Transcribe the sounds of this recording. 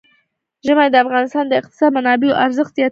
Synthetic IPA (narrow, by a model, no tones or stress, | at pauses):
ʒəmajd̪əafɣɑnɪst̪ɑnd̪əɪq̚t̪ɪ̥sɑd̪̚manɑbejoʔaɾzəxt̪zjɑ